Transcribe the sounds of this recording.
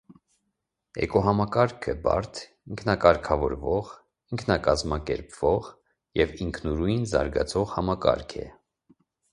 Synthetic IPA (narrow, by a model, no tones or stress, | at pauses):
ɛ̰kɔɦɑmɑkɑɾkʰəbɑ̰ɾt̪ʰ | iŋkʰnɑkɑɾkʰɑvɔɾvɔʁ | iŋkʰnɑkɑzmɑkɛɾpv̥ɔʁ | jɛviŋkʰnuɾujnzɑ̰ɾɡɑ̰t͡sʰɔʁhɑmɑkɑ̰ɾkʰɛ̰